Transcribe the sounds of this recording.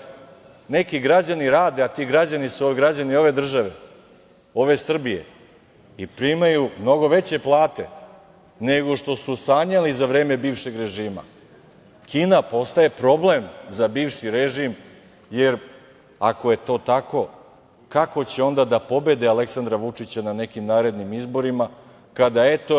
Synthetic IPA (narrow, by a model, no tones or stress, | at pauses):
ne̞kiɡɾad͡ʑaniɾaːd̪e̞at̪iːɡɾad͡ʑanisoeɡɾad͡ʑanio̞ʋe̞d̪r̩ʒaʋe̞ | o̞ʋe̞sr̩bije̞̰ | ipɾimajumno̞ɡo̞ʋe̞t͡ɕe̞plˠaːt̪e̞ | ne̞ɡo̞ʃt̪o̞susaːɲalizaʋɾe̞ːme̞biːvʃe̞ɡɾe̞ʒiːma̰ | kiːnapo̞st̪aje̞pɾo̞ble̞mzabiːʋʃiɾeʒim | je̞ɾ | ako̞je̞t̪o̞ːt̪ako̞ | kako̞t͡ɕeo̞nd̪ad̪apo̞be̞d̪ealeksand̪ɾaʋut͡ʂit͡ɕanane̞kimnaːɾe̞d̪nimizbo̞ɾima | kad̪ae̞t̪o̞